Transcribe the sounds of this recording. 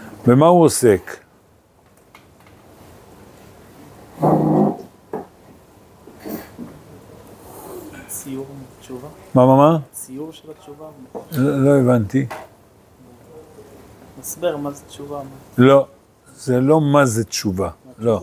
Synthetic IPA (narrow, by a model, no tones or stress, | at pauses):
bemahuosek | sijuʁt͡ʃuvamamamasijuʁʃelat͡ʃuvaolo̞evant̪i | masbiʁmazett͡ʃuvalo̞ | zelo̞mazet̪t͡ʃuvalo̞